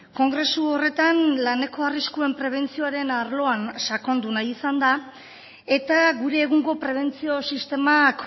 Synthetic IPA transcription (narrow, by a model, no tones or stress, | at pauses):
ko̞ŋɡɾe̞suore̞t̪anlane̞ko̞ariskue̞mpɾe̞β̞e̞nt͡sio̞aɾe̞naɾlo̞ansako̞nd̪unajisand̪a | e̞t̪aɡuɾe̞ːɣuŋɡo̞pɾe̞β̞e̞nt͡sio̞sist̪e̞mak